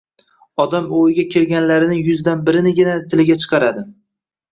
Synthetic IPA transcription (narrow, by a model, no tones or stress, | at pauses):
ɒd̪amojɪɡʲakʲʰe̞lɡʲanlaɾɪnɪŋjʊzd̪anbɪɾɪnɪɡʲɪnat̪ʰɪlɪɡʲat͡ʃʰɨ̥qʰɑɾad̪ɪ